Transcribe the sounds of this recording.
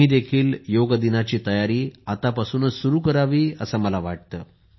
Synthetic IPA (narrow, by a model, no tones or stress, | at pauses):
iːd̪ekʰiːljoɡd̪inat͡ɕiːt̪əjaɾiːat̪apasuːnəsuɾuːkəɾaʋiːə̰səməlaʋaʈ̚t̪əː